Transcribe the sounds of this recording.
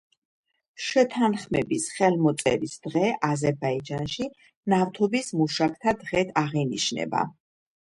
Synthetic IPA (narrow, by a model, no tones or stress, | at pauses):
ʃɛt̪ʰanχmɛbisχɛlˠmɔt̪sʼɛ̰ɾisd̪̥ʁɛʔazɛɾbaid͡ʒanʃi | naft̪ʰɔbismuʃak̚ʰt̪ʰad̪ʁɛt̪ʰaʁiniʃnɛ̰ba̰